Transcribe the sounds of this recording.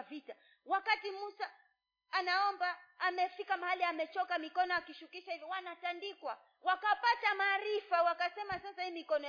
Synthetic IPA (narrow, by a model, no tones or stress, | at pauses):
vita | wakatimusaː | naɔmbaːmɛfikamahaliamɛt͡ʃɔkamikɔnɔakiʃukiʃaivɔwanatandikwa | wakapatamaːɾifawakasɛmasasaiːmikɔnɔ